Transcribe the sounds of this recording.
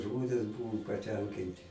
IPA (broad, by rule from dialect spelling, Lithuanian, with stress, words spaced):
ˈʒmoːnʲeːs ˈbʊʋʊ pɐˈtʲɛŋʲkʲɪnʲtʲɪ